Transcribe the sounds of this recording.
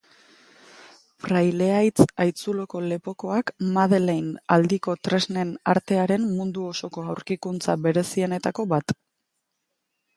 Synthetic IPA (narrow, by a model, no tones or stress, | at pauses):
fɾajle̞ajt͡sajt͡sulo̞ko̞le̞po̞ko̞akmaðelejnald̪iko̞t̪ɾe̞zne̞naɾt̪e̞aɾe̞mmund̪uo̞so̞ko̞awɾkikunt͡saβe̞ɾe̞sie̞ne̞t̪ako̞βat̪